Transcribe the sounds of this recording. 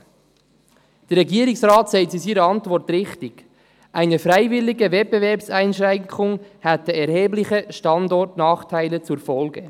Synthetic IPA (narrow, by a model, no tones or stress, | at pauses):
d̥ɛɾːɛɡiːəɾɪksraːtsaɪtsisiːɾəɑntvɔɾtrɪχtɪɡ̥ | ʔaɪnəfɾaɪvɪlɪɡəvɛt̚b̥evɛɐɾpsaɪnʃɾɛŋkʰʊŋhɛtəɛɾheːblɪçəʃtɑndɔɾtnɑːχtʰaɪlət͡suɾfɔlɡə